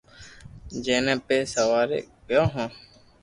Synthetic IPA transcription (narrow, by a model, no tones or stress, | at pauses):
d͡ʒẽːnɛ̃ːpeːsəʋaːɾḛkjõːɦãː